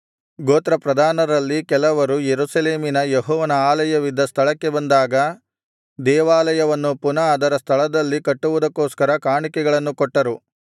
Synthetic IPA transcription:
ɡoːt̪ɾɐpɾɐd̪ʱaːnɐɾɐlːikɛlɐʋɐɾujeɾusɐleːminɐjeɦɔːʋɐnɐaːlɐjɐʋid̪ːɐst̪ʰɐɭɐkːe̞bɐnd̪aːɡɐ | d̪ɛːʋaːlɐjɐʋɐnːupunɐːd̪ɐɾɐst̪ʰɐɭɐd̪ɐlːikɐʈːuʋud̪ɐkːoːskɐɾɐkaːɳikɛɡɐɭɐnːukɔʈːɐɾu

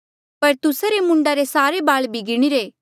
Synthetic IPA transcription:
pɐɾt̪ʊsaɾemʊ̃ɳɖaɾesaːɾebaːɭbʱiɡɪɽ̃iɾeː

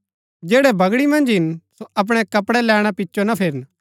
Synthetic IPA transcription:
d͡ʒɛːɽɛbʱɐɡɽimɐ̃nd͡ʒɦɪnsoɐp̬ɽ̃ɛkɐpɽɛlɛːɽ̃apɪtːʃonapʰeːɾən

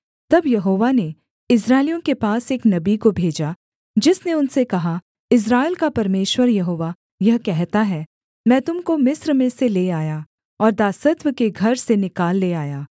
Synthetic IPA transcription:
t̪ɐbjɐɦoːʋane | ɪs̬ɾaːɪlijõkepaːseːknɐbikobʱeːd͡ʒa | d͡ʒɪsneʊnsekɐɦa | ɪs̬ɾaːɪlkapɐɾmeːʃwəɾjɐɦoːʋa | jɐɦkɛɦt̪aɦɛ | mɛ̃ːt̪ʊmkomɪsɾmẽseleːaːja | ɔːɾd̪aːsət̪wəkeɡʱɐɾsenɪkaːlːeaːjaː

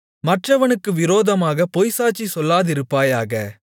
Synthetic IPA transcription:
mɐʈrɐʋɐnɯkːɯʋɪɾoːðɐmaːɣɐpɔjsaːt͡ʃːisɔlːaːðɪɾɯpːaːjaːɣɐ

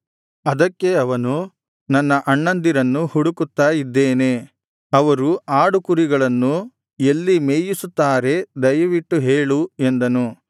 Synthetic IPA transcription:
ɐd̪ɐkːe̞ɐʋɐnu | nɐnːɐʔɐɳːɐnd̪iɾɐnːuhuɽukut̪ːaːjid̪ːeːne̞ | ɐʋɐɾuaːɽukuɾiɡɐɭɐnːu | e̞lːimeːjisut̪ːaːɾe̞d̪ɐjɐʋiʈːuɦeːɭue̞nd̪ɐnu

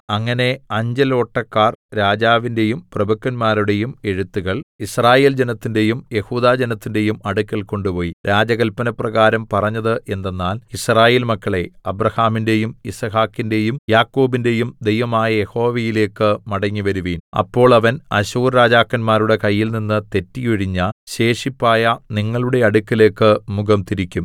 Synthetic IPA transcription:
ɐŋːɐne̞ɐɲd͡ʑelo̞ːʈːɐkːaːrɾaːd͡ʑaːʋinde̞jumprɐbukːɐnmaːɾuɽe̞jume̞ɻut̪ːuɣɐɭisraːje̞ːld͡ʑenɐt̪ːinde̞jumje̞huːðaːd͡ʑe̞nɐt̪ːinde̞jumɐɽukʲːɐlko̞ɳɖupo̞ːjiɾaːd͡ʑɐɣɐlpɐnɐprɐɣaːɾɐmpɐrɐɲːɐðɨʔe̞nd̪e̞nːaːlisraːje̞ːlmɐkːɐɭe̞ɐbrɐhaːminde̞jumisɐhaːkːinde̞jumjaːkːo̞ːbinde̞jumd̪e̞jʋɐmaːjɐje̞ho̞ːʋejile̞ːkːɨmɐɽɐɲːiʋɐɾuʋiːnɐ̰pːo̞ːɭɐʋɐnɐ̰ɕuːrɾaːd͡ʑaːkːɐnmaːɾuɽe̞kɐjːilninːɨt̪e̞tːijuɻiɲːɐɕe̞ːʂipːaːjɐniŋːɐɭuɽe̞ɐɽukʲːɐle̞ːkːɨmuɡɐmt̪iɾikʲːum

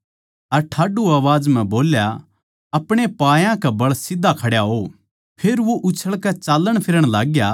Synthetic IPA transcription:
ɐɾʈʰaːɖuaːʋaːd͡ʒm̤ɛ̃boːlja | ɐpɽ̃epaːjãkɛbɐɭsɪd̪ʱːakʰɐɽjaɦo | pʰeːɾʋoʔʊt͡ʃʰəɭkɛt͡ʃaːlːəɽ̃pʰɪɾəɽ̃laːɡja

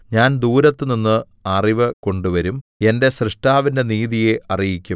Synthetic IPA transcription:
ɲaːnd̪uːɾɐt̪ːɨninːɨ | ɐriʋɐko̞ɳɖuʋɐɾume̞nde̞ɕrɨʂʈaːʋinde̞niːðijeʔɐrijikʲːum

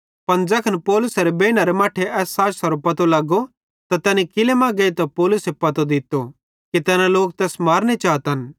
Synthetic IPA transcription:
pɐnd͡ʒɐkʰɐnpɔːlʊsɐɾebeːñɐɾemaːʈʰeʔɛːsːaːʈsɐɾopɐt̪olɐɡo | t̪at̪ɛːnikɪlemãɡɐit̪apɔːlʊsepɐt̪od̪ɪt̪ːo | kit̪ɛːnãloːk̚t̪ɛːsmaːɾnit͡ʃaːt̪ɦɐn

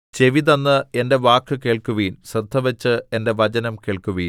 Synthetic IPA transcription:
t͡ɕe̞ʋiðɐnːɨe̞nde̞ʋaːkːɨke̞ːɭkuʋiːnsrɐd̪ʱːɐʋɐt͡ɕːɨe̞nde̞ʋɐd͡ʑɐnɐmkeːɭkuʋiːn

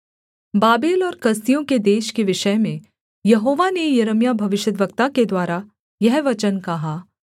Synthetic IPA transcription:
baːbeːlɔːɾkɐst̪ijõked̪eːʃkeʋɪʃəjmẽ | jɐɦoːʋanejɐɾəmjabʱɐʋɪʃjəd̪ʋəkt̪aked̪waːɾa | jɛɦʋɐt͡ʃənkɐɦaː

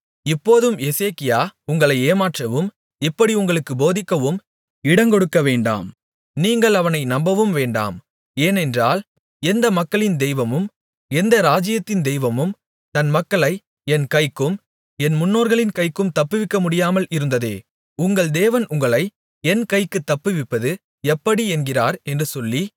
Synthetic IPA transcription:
ɪpːoːðɯmɛseːkɪjaːʊŋɡɐɭɐɪeːmaːʈrɐʋɯm | ɪpːɐɽiʊŋɡɐɭɯkːɯboːðɪkːɐʋɯm | ɪɽɐŋkɔɽɯkːɐʋeːɳɖa̰ːm | niːŋɡɐɭɐʋɐnɐɪnɐmbɐʋɯmʋeːɳɖa̰ːm | eːnɛndraːl | ɛnd̪ɐmɐkːɐɭɪnd̪ɛjʋɐmɯm | ɛnd̪ɐɾaːd͡ʒɪjɐt̪ːɪnd̪ɛjʋɐmɯm | t̪ɐnmɐkːɐɭɐɪ | ɛnkɐɪkːɯm | ɛnmʊnːoːɾɣɐɭɪnkɐɪkːɯmt̪ɐpːɯʋɪkːɐmʊɽɪjaːmɐlɪɾɯnd̪ɐðeː | ʊŋɡɐɭd̪eːʋɐnʊŋɡɐɭɐɪ | ɛnkɐɪkːɯt̪ːɐpːɯʋɪpːɐðɯ | ɛpːɐɽiɛnɡɪraːɾɛndrɯsɔlːi

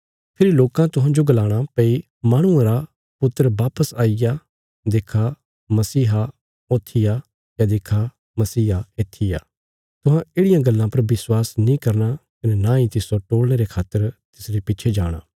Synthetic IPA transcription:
pʰɪɾiloːkãt̪ʊɦãd͡ʒoɡɐlaːɽ̃apɐi | maːɽ̃ʊ̃ãɾa | pʊt̪ːəɾəʋaːpəsaːɪja | d̪eːkʰa | mɐsiːɦa | oːt̪ʰːɪja | jad̪eːkʰa | mɐsiːaeːt̪ʰːɪja̰ː | t̪ʊɦãeːɽɪjãɡɐlːãpɐɾʋɪswaːsnĩkɐɾnakɐnenãːĩt̪ɪsoʈoːɽñeɾekʰaːt̪ːəɾt̪ɪsɾepɪːt͡ʃʰed͡ʒa̰ːɽ̃a̰ː

